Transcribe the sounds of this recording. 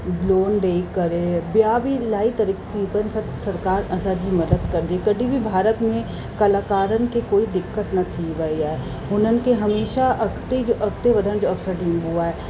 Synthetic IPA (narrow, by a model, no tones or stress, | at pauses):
loːnɖeːkkːɐɾẽbjabʱilaːit̪ɐɾikkipənsɐ | sɐɾkaːɾɐsaːd͡ʒimɐd̪əd̪kɐɾd̪iekɐɖʱibʱibʱaːɾət̪mẽ | kɐlaːkaːɾənkekoːid̪ɪkːət̪nɐt̪ʰːiʋɐiaɛ | ɦʊnənkeɦɐmeːʃaʔɐkt̪ed͡ʒoʔɐkt̪eʋɐd̪ʱənd͡ʒoɐpsəʈĩːmɦuaɦɛː